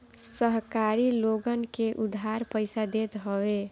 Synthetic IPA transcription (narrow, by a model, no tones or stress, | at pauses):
səɦkaːɾiloɡənkeʔʊd̪ʱɦaːɾpəɪsad̪eːt̪ɦəwe